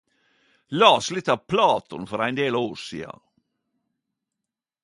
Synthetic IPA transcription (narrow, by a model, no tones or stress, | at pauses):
lɑːslɪt̪ɑpʰlɑːt̪ʰɔnfɔɾæɪnd̪eːloːɾsḭːɑ̰